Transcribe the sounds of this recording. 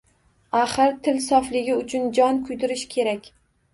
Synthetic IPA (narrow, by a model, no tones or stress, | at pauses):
aχɨɾt̪ʰɪlsɒflɪɡʲɪʊt͡ʃʰʊnd͡ʒɒnkʰʊjd̪ɪɾɪʃkʲʰe̞ɾakʲ